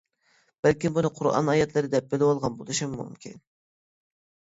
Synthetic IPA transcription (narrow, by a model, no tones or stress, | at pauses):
b̥ælkʲimbunɨqʰʊɾʔɑ̰nɑjɛt̪lˠɨɾɪd̪ɛp̚bɪlɪwɑlˠʁɑnbolˠɨʃɨmmṵmkʲʰḭn